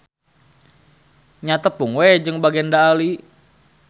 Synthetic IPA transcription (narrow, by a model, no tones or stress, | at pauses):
ɲat̪əpuŋwed͡ʒɨŋbaɡɛndaːli